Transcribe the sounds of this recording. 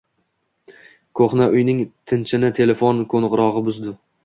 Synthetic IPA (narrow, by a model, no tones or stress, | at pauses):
kʰoχnaʔʊjnɪŋt̪ʰɪnt͡ʃʰɪnɪt̪ʰe̞le̞fonkʰonʁʊɾɒʁɨbʊzd̪ʊ